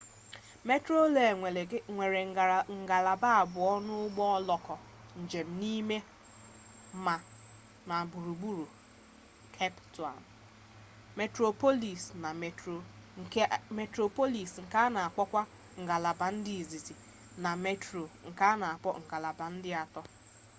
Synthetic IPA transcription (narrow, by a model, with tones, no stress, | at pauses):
me˦tɾo˦le˨e˨e˨˦ŋʷe˨ɾe˨ŋ̩˨ɡa˨la˨ba˦a˨bʊ˨ɔ˦nʊ˦ʊ˦ɡ͡bɔ˦ɔ˦lɔ˨kɔ˨ | n̩˨d͡ʒe˨m̩˦ni˦me˦ | ma˨ | na˨bu˨ɾu˨ɡ͡bu˦ɾu˨ | kʰe˦ptu˨a̰˨n˨ | me˨tɾo˨po˦li˨sna˨e˨to˨˦ | me˨tɾo˨po˦li˨sŋ̩˨ka˦na˨a˨k͡pɔ˦kʷa˦ | ŋ̩˨ɡa˨la˨ba˨n̩˦di˦i˨zi˨zi˨ | na˨me˦tɾo˨ŋ̩˨ka˦na˨a˨k͡pɔ̰˦ŋ̩˨ɡa˨la˨ba˨n̩˦dɪ˦a˨tɔ˦